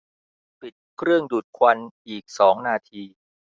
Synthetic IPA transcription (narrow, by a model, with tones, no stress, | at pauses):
pi˨˩t̪̚kʰɾɯ˥˩əŋduː˨˩t̪̚kʰwa˧nʔiː˨˩k̚sɔː˩˦ŋnaː˧t̪ʰiː˧